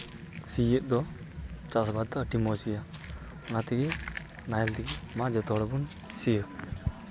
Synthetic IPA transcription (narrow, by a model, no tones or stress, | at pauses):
sijɛt̪̚ˀd̪ɔ | t͡ʃasbaaʈimɔsija | nat̪iɡɛ | najɛlt̪iɡimad͡ʒɔt̪ɔɽɔbun | sijɔ